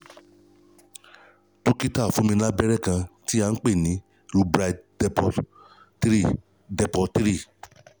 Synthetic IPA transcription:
to˦ki˦ta˦˨fũ˨˦mĩ˧la˦bɛ˦ɾɛ˦˨kã˧ti˦a˧n̩˦k͡pe˦˨nĩ˨˦ | ɾu˧˦bɾa˧dpɔ˨˦ | ɾi˦˨ | dɛ˨pɔ˧tɾi˦˨

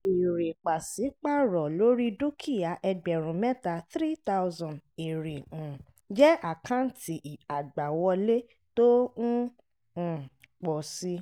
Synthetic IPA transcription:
i˨ɾe˨k͡pa˨si˨˦k͡pa˦˨ɾɔ˨lo˨˦ɾi˦du˦kʰi˦˨ja˨ʔɛ˧ɡ͡bɛ˨ɾ̃ũ˨mɛ˦ta˧θɾi˦t̪a˦wzɔ̃˨nde˨ɾe˨ũ˨ | d͡ʒɛ˦a˨kã˦n̩˨ti˨a˨ɡ͡ba˨wɔ˧le˦ | to˦ñ̩˦˨ | k͡pɔ˨si˧˦

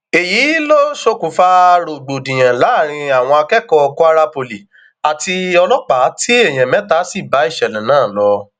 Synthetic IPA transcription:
e˨jiː˨˦lo˦ʃo˧kũ˨fa˧ɾo˨ɡ͡bo˨dĩ˨j̃ã˨la˨˦˨ɾ̃ĩ˧a˨w̃ɔ̃˧a˧kɛ˦kɔ˧ku˦a˧ɾa˧po˨li˨ | a˨ti˧ɔ˧lɔ˦k͡pa˨˦ti˦e˦˨j̃ɛ̃˨mɛ̃˨˦ta˦si˦˨ba˨˦i˦˨ʃɛ˨lɛ̃˨nãː˦˨lɔ˧

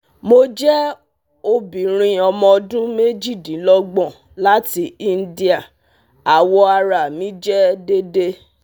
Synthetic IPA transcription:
mo˧d͡ʒɛ˦ | o˧bĩ˨ɾ̃ĩ˧ɔ˧mɔ̃˧ɔ˧dũ˦me˦d͡ʒi˦˨dĩ˨˦lɔ˦ɡ͡bɔ̃˦˨ | la˦ti˧i˦n̩˦di˦a˦˨ | a˨wɔ˧a˧ɾa˨mĩ˨˦d͡ʒɛ˦de˦de˦

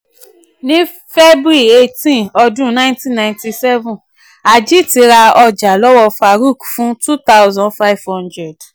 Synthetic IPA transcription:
nĩ˦ | fe˦bu˦ɾi˦˨e˧tĩ˦˨ɔ˧dũ˦nã˦ĩ˦tĩ˦nã˧ĩ˨nti˧sɛ˦vũ˨ | a˨d͡ʒi˦ti˧ɾa˧ɔ˧d͡ʒa˨lɔ˦wɔ˧fa˧ɾu˦˨kfũ˦tu˦t̪a˦wzɔ̃˨fa˦i˨vhɔ̃˦ndɾɛ˨d

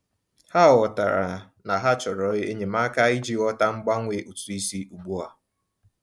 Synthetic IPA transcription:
ha˦ɔ˨ta˨ɾa̰˨ | na˨ɦa˦t͡ʃɔ˨ɾɔ˨˦e˦e˦ɲe˨ma˦ka˦i˦d͡ʒi˦ɔ˦ta˦ŋ͡m̩˦ɡ͡ba˦ŋʷe˨ʔu˨tu˨i˦si˦u˨ɡ͡bu˦a˨

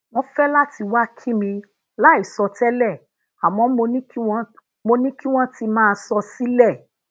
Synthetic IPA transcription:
w̃ɔ̃˦fɛ˦la˦ti˧wa˦kʰi˦mĩ˧ | la˦i˨sɔ˧tɛ˦lɛ˦˨ | a˨mɔ̃˨˦mo˧nĩ˦ki˦w̃ | mo˧nĩ˦ki˦w̃ɔ̃˦ti˧mãː˦˧sɔ˧si˦lɛ˦˨

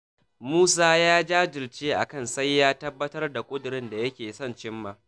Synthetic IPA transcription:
muː˦saː˦jaː˦d͡ʒaː˦d͡ʒɪ˨lt͡ʃeː˦ʔa̰˨kɐ˦˨nsɐ˦jːaː˦tɐ˦bːɐ˦tɐ˦rda˨kʷʼʊ˦dʊ˨ɾɪ˦nda˨jɐ˦kʲeː˨sɔ˦˨nt͡ʃɪ˦mːaː˦

